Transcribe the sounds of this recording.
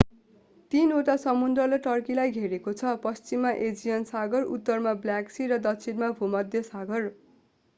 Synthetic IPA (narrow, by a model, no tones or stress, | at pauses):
t̪inoʈasʌmund̪rʌlʌʈʌrkilajɡʱeɾekot͡sʰʌpʌst͡simːaʔed͡zijʌnsaɡʌrṵt̪ːʌrmabljaksiɾʌd̪ʌt͡sʰinmabʱumʌd̪ʱjʌsaɡʌr